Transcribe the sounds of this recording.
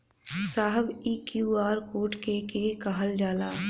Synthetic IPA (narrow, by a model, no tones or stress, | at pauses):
saːɦəbiːkjuːaːɾkoːʈkekekaɦəld͡ʒaːlaː